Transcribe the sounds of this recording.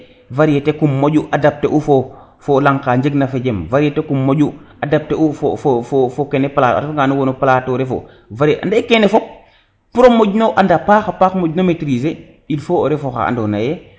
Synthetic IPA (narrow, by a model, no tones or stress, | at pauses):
vaɾijetekumːoɟuʔadap̚teʔufo | folaŋkaːɲd͡ʒeɡnafeɟemvaɾijetekumːoɟu | adap̚teufofofofokenepalaːta̰tfaŋɡanuwonopalatoɾefo̰ | vaɾiʔa̰ndekenefop̚ | puɾomoɟnoʔandapaːxapaːkmoɟnometɾis̬e | ilfooɾefoxa̰a̰ndonaje